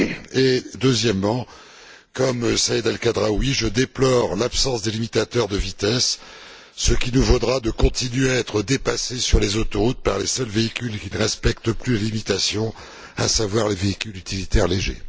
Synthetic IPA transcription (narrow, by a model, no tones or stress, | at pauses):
ed̪øzjɛmːɑ̃ | kɔmsaed̪alkad̪ʁawiʒəd̪eplɔʁlapsɑ̃sd̪elimit̪at̪œʁd̪əvit̪ɛsː | əkʲinuvod̪ʁad̪əkɔ̃t̪inɥeaɛt̪χəd̪epasesyʁlezot̪ɔʁut̪̚paʁlesœlveikʲylkʲinəʁɛspɛkt̪əplyləlimit̪asjɔ̃ | a̰savwaʁleveikʲylyt̪ʰilit̪ɛʁleʒḛ